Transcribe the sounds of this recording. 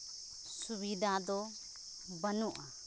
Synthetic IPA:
subid̪ʱad̪ɔ | bənuʔa

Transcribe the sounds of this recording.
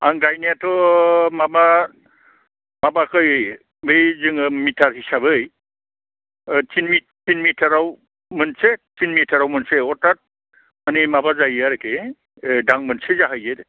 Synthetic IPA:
aŋɡajnijatɔmaba | mabakɯj | bejzɯŋɯmitʰaɹɦisabɯj | tinmiːinmitʰaɾaw | mɯnsetinmitʰaɾawmɯnseɔtat̚ | manimabazajaɾeke | daŋmɯnsezaɦajzet

